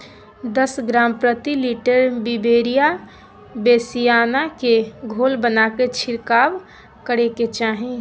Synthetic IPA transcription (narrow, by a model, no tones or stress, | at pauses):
d̪əsɡɾaːmpɾət̪iliʈəɾbibeːɾija | beːsijaːnakeɡʱoːlbənaket͡ʃʰɪɾkaːw | kəɾeket͡ʃaːɦẽ